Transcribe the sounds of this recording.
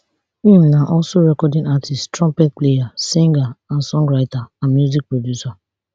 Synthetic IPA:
ĩmlãʔɔlsoɹɛkɔdĩŋatʰisttɹɔ̃mpɛt̚plejasĩŋɡaãnsɔ̃ŋɡɹaɪtaãnmjuzik̚pɹodjusa

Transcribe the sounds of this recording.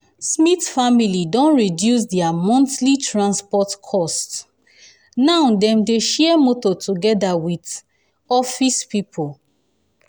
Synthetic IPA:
smitfamilidɔ̃nɹidjus̬dɛamɔ̃ntlitɹãnspɔtkʰɔst | nãʊdɛ̃mdeʃɛmotɔtuɡɛdawit | ɔfispipʰol

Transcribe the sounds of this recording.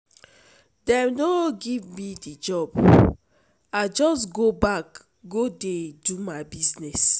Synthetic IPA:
dɛ̃mnoɡivmidid͡ʒɔb | ad͡ʒɔsɡobak | ɡodedumaɪbiznɛs

